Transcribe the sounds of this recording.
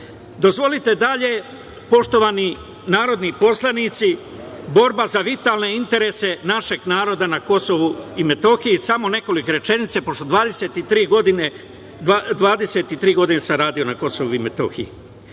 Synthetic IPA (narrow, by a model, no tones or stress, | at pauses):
d̪o̞zʋo̞lit̪e̞d̪aʎe̞ | po̞ʃt̪o̞ʋani | naːɾo̞d̪nipo̞slˠanit̪si | bo̞ɾbazaʋit̪alne̞int̪e̞ɾese̞naʃe̞ɡnaːɾo̞d̪anako̞so̞ʋuimet̪o̞xijisamo̞ne̞ko̞like̞ɾe̞t͡ʃe̞nit̪sepo̞ʃt̪od̪ʋaːd̪eset̪it̪ɾiːɡod̪ine | d̪ʋaːd̪e̞se̞t̪it̪ɾiːɡo̞d̪inesamɾaːd̪io̞nako̞so̞ʋuimet̪o̰xḭji